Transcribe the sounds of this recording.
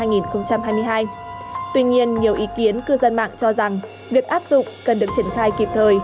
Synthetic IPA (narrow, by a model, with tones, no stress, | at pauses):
aː˧jŋi˨˩nxə˧wŋ͡mt͡ɕa˧mhaː˧jmɨ˧əjɦaː˧jt̪wi˧ɲi˧ənɲi˨˩əwʔi˨˦ki˨˦ənkɨ˧zə˧nma̰ː˧˨ŋt͡ɕɔ˧za˨˩ŋ | vi˨˩ək̚ʔaː˦˥p̚zʊ̰˧˨ŋ͡mkə˨˩nɗɨ˨˩ək̚t͡ɕi˧˩ənxaː˧jki˨˩p̚t̪ʰəː˨˩j